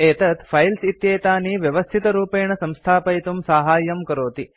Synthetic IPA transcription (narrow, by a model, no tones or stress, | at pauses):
eːt̪ət̪fʰajlsit̪jeːt̪aniʋjɐʋəst̪ʰit̪ɾupeɳəsɐ̃mst̪ʰaːpəjt̪umsaːɦaːjəmkəɾoːt̪i